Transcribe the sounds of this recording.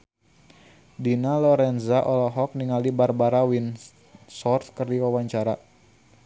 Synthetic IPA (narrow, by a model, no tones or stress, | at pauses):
dinalɔɾɛnzaʔɔlɔɦɔk̚niŋalibarbaɾawin | sɔrt̪kərdiwawaɲt͡ʃaɾa